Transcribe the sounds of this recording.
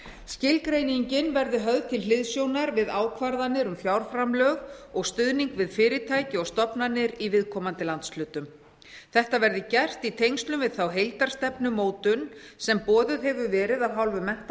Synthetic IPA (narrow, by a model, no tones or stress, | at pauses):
scɪlkɾeːjniɲcɪnvɛɾðʏɦœɣðt̪ʰɪllɪðsjownaɾvɪðaːwkʰvaɾðanːɪɾʏmfjawɾ̥fɾamlœɣɔɣst̪ʏðniŋkvɪðfɪːɾɪt̪ʰaːjcɪɔɣst̪ɔpnanːɪɾivɪðkʰɔːmant̪ɪlant̪slʏːt̪ʏm | θɛht̪avɛɾðɪcɛr̥t̪it̪ʰejŋst̪lʏmvɪðθawɦejlt̪aɾ̥st̪ɛpnʏmoːwt̪ʏnsɛmpɔːðʏðɦɛvʏvɛːɾɪðaðɦawlvʏmɛh̪t̪